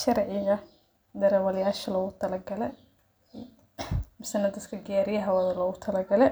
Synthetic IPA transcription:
ʃɐɾʕɪɣɐ | d̪ɐɾɐwɐljaːʃɐlɔːɣʊt̪ʰɐlɐɡɐlɛ | mɪsɐnɐd̪ɐd̪kʰɐɡɪjaːɾɪjɐɦɐwɐðɐlɔːɣʊt̪ʰɐlɐɡɐlɛ

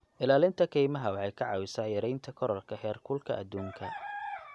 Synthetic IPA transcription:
ʔɪlaːlɪnt̪ʰɐkʰɛjmɐɦɐwɑħɑjkʰɐʕɑːwɪsaːjɐɾɛjnt̪ʰɐkʰɔɾɔlkʰɐhɛːrkʰʊlkʰɐʔɐd̪uːŋkʰɐ

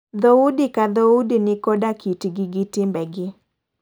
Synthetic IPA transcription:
d̪ɔudikad̪ɔudinɪkɔdakitɡɪɡɪtɪmbɛɡɪ

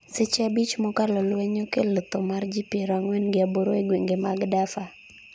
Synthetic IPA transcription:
sɪt͡ʃabit͡ʃmɔkalɔlweɲokelət̪omard͡ʒipiɾaŋwɛnɡɪaboɾoeɡweŋɡemaɡdafa

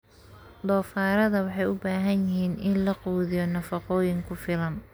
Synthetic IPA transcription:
d̪ɔːfaːɾɐðɐwɑħɑjʊbaːɦɐnjɪɦiːnʔɪnlɐquːðɪjɔnɐfɑqɔːjɪŋkʰʊfɪlɐn

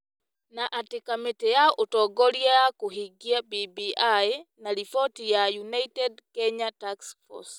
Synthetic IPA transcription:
naʔatikametɛjaɔʔotɔɡɔliajakoɦiɡiabibiajnaɾifɔtijajunaitɛdkɛɲataksfɔ̰s

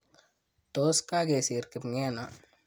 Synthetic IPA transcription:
t̪oskaɡesiɾkipŋena

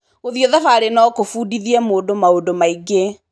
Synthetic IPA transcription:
ɣoðiɔðafaɾenɔkofuːdiðiɛmoːdomaodomaiɡe

